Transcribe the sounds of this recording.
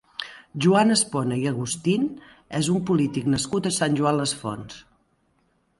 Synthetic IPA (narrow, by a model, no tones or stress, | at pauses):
ʒuanəsponəiəɣust̪in | ɛzumpulit̪iknəskut̪əsanʲʒuanləsfo̰ns